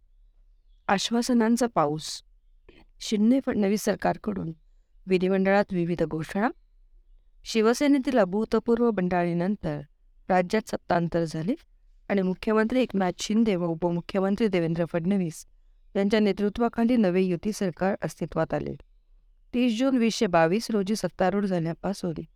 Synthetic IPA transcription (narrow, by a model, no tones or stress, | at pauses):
aɕʋasənãnt͡sapaus | ɕiɽnefəɖɳəʋiːsːəɾkaɾkəɽṵːn | ʋid̪ʱiʋəɳɖəɭat̪ʋiʋid̪ʱɡʱoʂəɳ̃a | ɕiʋəsenet̪ilabʱut̪əpuɾʋəbəɳɖaɭinənt̪əɾ | ɾad͡ʑjat̪sət̪ːant̪əɾd͡zʱali | aɽ̃imukʰjəmənt̪ɾiːekmaɕʰind̪eʋəubəmukʰjəmənt̪ɾiːd̪eʋend̪ɾəfəɖnəʋiːs | t̪jãɲt͡ɕjanet̪ɾut̪ʋakʰãɳd̪iːnəʋejut̪iːsəɾkaɾəst̪ʰit̪ʋat̪alʔḛ | t̪iːsd͡ʑonʋiɕebaʋiːsɾod͡ʑiːsət̪ːaɾuːɾd͡zʱaljapasɦolḭː